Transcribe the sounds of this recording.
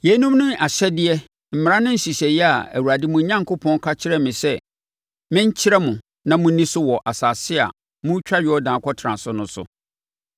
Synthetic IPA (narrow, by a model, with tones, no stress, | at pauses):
je˨˦nũ˦mnʊ̃˦a˨ɕɛ˦dɪ˦ɛ˦ | m̩˨m˨ɾã˦nʊ̃˦n̩˦ɕi˨ɕɛ˨jɛ˦a˨æ̰˨wu˨ɾa˨dɪ˦mʊ̃˨˦ɲã˦ŋkʰʊ˦pʰɔ̃˦n˦kʰa˦t͡ɕʰɪ˦ɾɛ˦mɪ̃˨sɛ˦ | mɪ̃˦ɲ˦t͡ɕʰɪ˦ɾɛ˦mʊ̃˨ | nã˦mʊ̃˦nĩ˦sʊ˦wɔ˨ʔa˨saː˨sɪ˦a̰˨ | mʊ̃˦t͡ɕᶣa˦ɥɪ˨˦ɔ˦dãː˨˦kʰɔ˦tʰɾã˨sʊ˦nʊ̃˦sʊ̰˨